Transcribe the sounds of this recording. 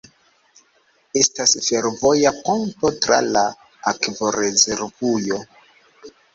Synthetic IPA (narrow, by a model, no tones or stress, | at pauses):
e̞stasfe̞ɾvo̞japonto̞tɾa̰la | akvoɾe̞ze̞ɾvujo̞